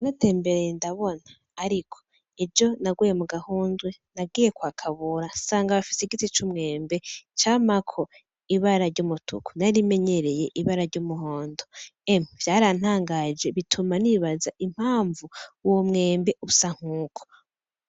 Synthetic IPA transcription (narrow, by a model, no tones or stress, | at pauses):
nate̞ːmbe̞ɾeendaβo̞naːɾikʰo̥ | ed͡ʒo̞naɡwejemuɡahuːnzɡwenaɡiːjekwaːkʰaβuɾasaːŋɡaβafi̥seɡit͡sit͡ʃumŋe̞ːmbe̞t͡ʃaːmakʰo̞ | iβaɾaɾɟumutʰṵku̥naɾime̞ɲe̞ɾe̞je̞ʔiβaɾaɾɟomuɦoːndo̞emv̥jaːɾan̥haːŋɡad͡ʒe̞βitʰumaniβazaʔim̥haːɱvuwomŋe̞ːmbe̞ʔusaŋ̥uːkʰo̥